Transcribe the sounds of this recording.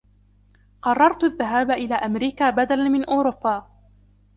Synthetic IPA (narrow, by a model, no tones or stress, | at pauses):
qɑrˤːɑɾˤt̪aðːaɦaːbaʔɪlaːʔamɾiːkaːbad̪alanmɪnʔʊːɾʊpːaː